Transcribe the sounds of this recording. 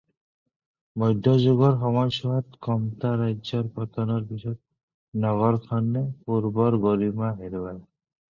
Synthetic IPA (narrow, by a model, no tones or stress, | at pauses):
mɔjd̪ʱːɔd͡ʑuɡɔɾxɔmɔjsɔɦat̪kɔmt̪aɾajd͡ʑɔɾpɔt̪ɔnɔɾbisɔt̪̚ | nɔɣɔɾkʰɔnːepuɾbɔɾɡoɾimaɦeɾuwaj